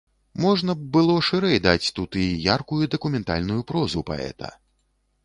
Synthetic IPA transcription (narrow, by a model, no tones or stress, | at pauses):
mɔʐnɐbɨlˠɔʂɨɾɛjd̪at͡sʲt̪ut̪ijarkujud̪ɐkumʲɛnt̪a̰lʲnujupɾɔzupa̰ɛ̰t̪ɐ̰